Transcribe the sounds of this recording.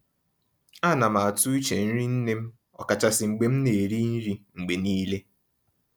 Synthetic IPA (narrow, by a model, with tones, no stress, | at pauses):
a˦˨na˨ma˨a˨tu˦i˦t͡ʃe˨n̩˦ɾi˦n̩˦ne˦m̩˦ | ɔ̰˨ka˨t͡ʃa˨sɪ˨ŋ͡m̩˨ɡ͡be˨m̩˦ne˨ɾi˦n̩˦ɾi˦ŋ͡m̩˨ɡ͡be˨niː˦le˦